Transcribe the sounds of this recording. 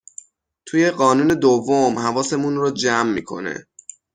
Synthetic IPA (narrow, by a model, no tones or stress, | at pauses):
t̪ʰuːje̞ɢɒːnuːne̞d̪ovːomhævɒːse̞munrod͡ʒæmːḭːkʰo̞̰nḛ